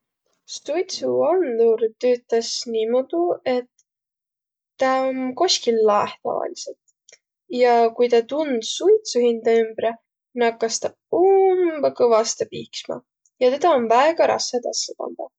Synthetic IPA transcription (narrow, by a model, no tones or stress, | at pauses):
st̪ujt̪suɑnd̪uɾt̪øːt̪ːˑɑsnimod̪̥ue̞t̪ | ɑonko̞skilːɑeht̪ɑ̰vɑ̰liselt̪ | jɑkujt̪ɑt̪und̪̥sujt̪suhind̪ɑymbre | nɑkːɑst̪ɑ | umbɑkɤvɑst̪ɑpiːksmɑ̰ | jɑt̪e̞d̪̥ɑonvæeɡ̥ɑɾɑ̰sːɑt̪ɑ̰sːɑpɑ̰nd̪̥ɑ